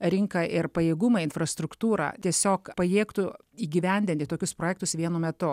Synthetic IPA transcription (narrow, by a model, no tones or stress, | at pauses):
ɾʲɪŋkɐʔɪɾpɐjeːɡʊmɐːɪnfɾɐst̪ɾʊkt̪uːɾɐ̰t̪ʲiɛsʲoːkpɐjeːkt̪u | iːɡʲɪʋʲɛnʲd̪ʲɪnʲt̪ʲɪt̪oːkʲʊspɾoːjɛːkt̪ʊsʋʲiɛnʊmʲɛt̪ʊ